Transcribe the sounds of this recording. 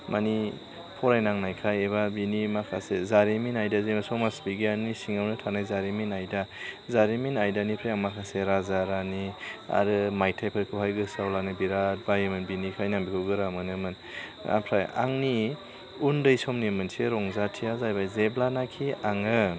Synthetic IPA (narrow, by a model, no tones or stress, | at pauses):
mani | pʰɔɾajnaŋnajkʰajeβabinimakʰa̰sezaɾiminajdazemasɔmasbiɡianisiŋawnɯtʰanajzaɾiminajdazaɾiminajdanipʰɾajaŋmakʰaseɾazaɾania̰ɾɯmajtʰajpʰɯɾkʰɯwhajɡɯsawlanɯbiɾat̚bajemɯnbinikʰajnambikʰɯwɡɯɾamɯnɯmɯn | a̰pʰɾaja̰ŋni | undɯjsɔmnimɯnseɾɔŋzatʰijazajbajzeblanakʰiaŋɯ